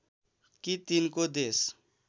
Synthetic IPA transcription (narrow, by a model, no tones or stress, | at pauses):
kit̪inkod̪es